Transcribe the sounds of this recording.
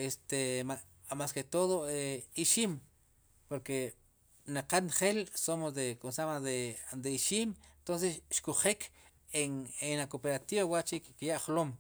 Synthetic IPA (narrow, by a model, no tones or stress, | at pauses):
est̪ema | masket̪oðoeiʃiːm | poɾke | naqanχelsomosd̪ekonsamaded̪eiʃiːmnt̪ons̬esʃkuχek | eŋenakopeɾat̪iβawaʔt͡ʃikkijaʔχlom